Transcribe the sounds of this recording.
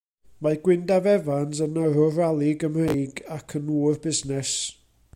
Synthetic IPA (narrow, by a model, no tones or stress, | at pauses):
maɡwɪndavɛvansənəɾɔɾalˠɪɡəmrejɡakʰənuːrbɪznɛs